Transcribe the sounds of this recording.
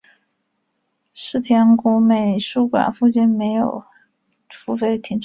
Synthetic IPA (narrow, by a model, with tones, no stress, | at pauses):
ʂɻ̩˥˩t̪ʰjɛ˧˥ŋku˧˥me˨˩ɪʂu˥kwa̰˨˩nfu˥˧t͡ɕi˥˩nme˧˥ɪjo˨˩ʊ | fu˥fe˧˥˩ɪt̪ʰi˧˥ŋʈ͡ʂ